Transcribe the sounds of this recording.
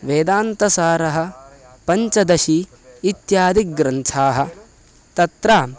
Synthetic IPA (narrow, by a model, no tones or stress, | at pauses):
ʋeːd̪aːnt̪ɐsaːɾɐɦɐ̆ | pɐɲt͡ʃɐd̪ɐʃiː | t̪jaːd̪ik̚ɡɾɐntʰaːɦɐ̆ | t̪ɐt̪ɾaː